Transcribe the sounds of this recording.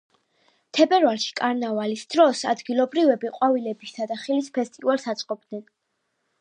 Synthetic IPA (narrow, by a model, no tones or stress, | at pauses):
t̪ʰɛbɛɾvalˠʃi̥kʼaɾnavalisd̪̥ɾɔsa̰d̪ɡilˠɔbɾivɛbiqʼwavilɛbist̪ʰad̪aχilispʰɛst̪ʼivalˠsat̪sʼqʼɔb̚d̪nɛn